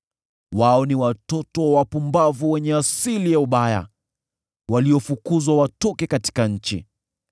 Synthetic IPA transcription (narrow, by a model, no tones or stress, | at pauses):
waɔniwatɔtɔwapumbavuwɛɲɛasilijauɓaja̰ | waliɔfukuzwawatɔkɛkati̥kaɲ̩t͡ʃḭ